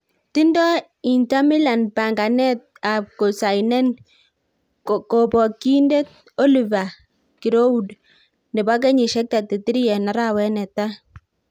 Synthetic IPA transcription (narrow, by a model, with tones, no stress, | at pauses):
ti˦ndɔ˦ | i˨nta˦mi˦la˨npa˨ŋɡa˨nɛ˦t̚a˨p̚ko˨sa˨jnɛ˦n˨ | ko˨pɔ˨ki˦nde˦t̚ | ɔ˦li˨va˨ | ki˨ɾo˦u˦d | nɛ˨ba˦k̬ɛ˦ɲi˨ʃɛ˦k̚ta˨te˨ti˦ɾi˦jɛ˨na˨ɾa˦wɛ˦nɛ˨ta˦